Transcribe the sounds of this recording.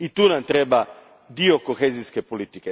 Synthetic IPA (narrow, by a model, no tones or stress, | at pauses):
it̪uːnamt̪ɾeba | d̪iokoxeziskepolit̪ike